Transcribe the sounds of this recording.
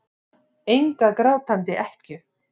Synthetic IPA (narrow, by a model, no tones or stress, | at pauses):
ejŋkakɾaːwt̪ʰant̪ɪʔɛhcʏ